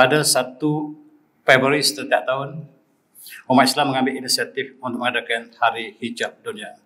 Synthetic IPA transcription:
adasat̪u | fɛbəɾisə̥t̪ət̪iaʔ̚t̪aʊn | umat̪islamːəŋãmbɪlinisiat̪ɪfunt̪ʊk̚məŋadakanhaɾihid͡ʒap̚dunia

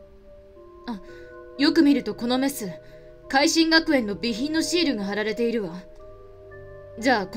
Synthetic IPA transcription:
ajo̞kɯ̟mʲiɾɯ̟t̪o̞ko̞no̞me̞sɨ | kaiɕĩŋɡakɯ̟ẽ̞nːo̞bʲiçĩnːo̞ɕiːɾɯ̟ɡaɦaɾaɾe̞t̪e̞iɾɯ̟βa | d͡ʑaːk

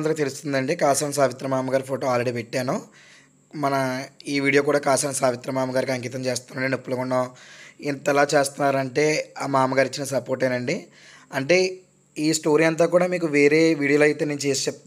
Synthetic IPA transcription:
nd̪ɾɐkːt̪e̞lust̪und̪ɐɳɖikaːsanɐs̬aːʋit̪ɾɐmaːmɐɡaːɾipʰo̞ːʈoːaːlɾeɽiːpeʈːaːno | mɐnɐiːʋiːɽijo̞ːk̬uːɽaːkaːsɐːnɐsaːʋit̪ɾɐmaːmɐɡaːɾik̬isɐŋkiːt̪ɐmt͡ʃeːst̪aːnɐɳɖinupːulɐɡuɳːoːint̪ɛlaːt͡ʃe̞ːst̪unːaːɾɐɳʈe̞ːamaːmɐɡaːɾit͡ʃːinɐsɐpoːɾʈ̬ɐjnɐɳɖi | ɐɳʈe̞ː | iːsʈo̞ːɾijɐnt̪̬aːkuːɽaːmiːkuʋe̞ːɾe̞ːʋiːɽiolɐjt̪eːnent͡ʃeːst͡ʃep̚t̪

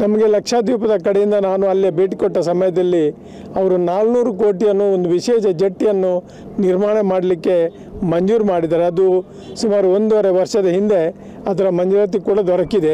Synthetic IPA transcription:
nɐmɐɡe̞lɐkʂaːd̪juːpɐd̪ɐkɐɽejind̪ɐnaːnuɐlːibeːʈikoʈːɐsɐmɐjɐd̪ɐlːi | ɐʋɐɾunaːlnuːɾuko̞ːʈijɐnːuond̪uʋiʃeːʃɐd͡ʒeʈːijɐnːu | niɾmaːɳɐmaːɽɐlikːe̞ | mɐɲd͡ʒuːɾmaːɽid̪aːɾeɐd̪u | sumaːɾuond̪uʋɐɾeʋɐɾʂɐd̪ɐɦind̪e̞ | ɐd̪ɐɾɐmɐɲd͡ʒuːɾɐt̪̬ːikuːɽɐd̪ɔɾɐkːid̪e̞

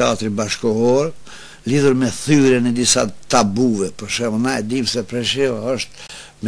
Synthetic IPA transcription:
ɛa̰t̪ɾibaʃkɔɔɾ | liðuɾmɛθyɾɛnɛd̪isa̰t̪abuvɛpɔɾʃɛnaɛd̪imsɛpɾɛʃɛaɔʃt̪ | m

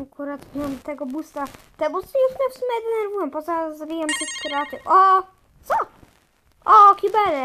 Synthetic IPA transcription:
akuɾat̪mʲamt̪ɛɡɔbust̪a | t̪ɛbust̪ɛjuʂmɛfsumʲjɛd̪ɛnɛɾvujɛmpɔzazabʲijamt̪uskʲiɾɛat̪ɨfɔ | t̪sɔ | ɔkʲibɛɾɛ

